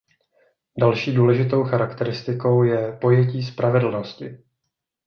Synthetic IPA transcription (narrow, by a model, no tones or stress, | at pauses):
dalʃiːduːlɛʒɪt̪o̞wxaɾakt̪ɛɾɪst̪ɪko̞wjɛpo̞jɛciːspɾʔavɛdl̩noscɪ